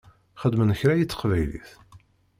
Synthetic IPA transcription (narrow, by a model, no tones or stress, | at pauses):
χəd̪mənəçɾæjit͡sːə̥qvæjlḭθ